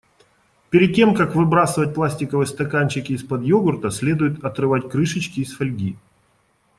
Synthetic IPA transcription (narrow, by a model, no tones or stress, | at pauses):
pʲɪɾʲɪd̪̚ʲtʲe̞mkakvɨbɾasɨvət̚ʲplˠasʲtʲɪkəvɨst̪ɐkanʲt͡ɕɪkʲɪːspɐd̪joɡʊrt̪əsʲlʲe̞d̪ʊjɪt̪ɐt̪ɾɨvatʲkɾɨʂɨt͡ɕkʲɪːsfɐlʲɡʲi